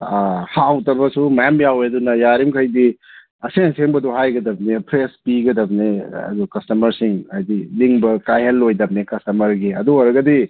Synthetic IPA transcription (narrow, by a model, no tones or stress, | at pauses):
hawtɐbɐsumɐjamjawedunɐjaɾimkʰɐjdi | ɐseŋseŋbɐdɔɦajɡɐdɐb̚nepʰɾespiɡɐdɐbneɐ̰d̪ukɐstɐmɐɾsiŋajdiliŋbɐkajhɐlːojdɐb̚neikɐstɐmɐɾɡiɐduoɾɐɡɐdi